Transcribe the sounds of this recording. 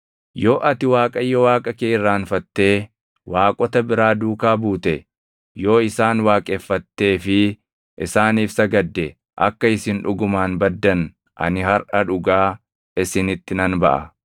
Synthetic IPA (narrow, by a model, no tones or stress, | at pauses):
jo̞ːʔɐt̪ɪwaːkʼɐjːɔwaːkʼɐkeːɪrːaːnfɐt̪ːe̞ː | waːkʼɔt̪ɐbɪɾaːd̪uːkaːbuːt̪ɛ | jo̞ːɪsaːnwaːkʼeːfːɐt̪ːe̞ːfɪ | ʔɪsaːniːfsɐɡɐd̪ːɛ | ʔɐ̰kːɐɪsɪnᶑʊɡʊmaːnbɐd̪ːɐn | ʔɐ̰nɪhɐɾʔɐᶑʊɡaː | ɪsɪnɪt̪ːɪnɐnbɐ̰ʔɐ̰